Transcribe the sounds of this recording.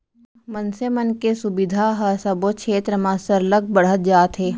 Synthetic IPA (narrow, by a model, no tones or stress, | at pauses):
mənsemənkesʊbɪd̪ʱaɦɐsɐbot͡ʃʰeːt̪ɾəmãːsəɾləɡ̚bəɽ̤ət̪̚d͡ʒaːt̪ɦeː